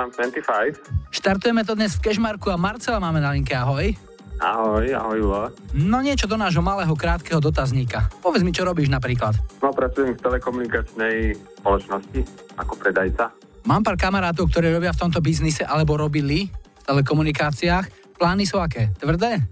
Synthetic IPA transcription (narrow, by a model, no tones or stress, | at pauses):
amsɛnt̪ifajfʃt̪aɾt̪ujɛmɛt̪̬ɔd̪ɲɛsfkɛʒmaɾkuamaɾt͡sɛlamaːmɛnaliŋkɛaɦɔj | a̰ɦɔja̰ɦɔjulanɔɲɪɛt͡ʃɔd̪ɔnaːʒɦɔmalɛːɦɔkɾaːt̪kɛːɦɔd̪ɔt̪azɲiːkapɔʋjɛd͡zmit͡ʃɔɾɔbiːʒnap̬ɾiːklat̪nɔpɾat͡sujɛmft̪ɛlɛkɔmunikat͡ʃnɛjspɔlɔt͡ʃnɔsci | akɔpɾɛd̪ajt͡sa | maːmpaːɾkamaɾaːt̪̬ɔʊkt̪ɔɾɛːɾɔbɪaft̪ɔmt̪̬ɔbiznisɛʔalɛbɔɾɔbilift̪ɛlɛk̬ɔmunikaːt͡siaːx | plaːnisuakɛːt̪ʋr̩d̪ɛː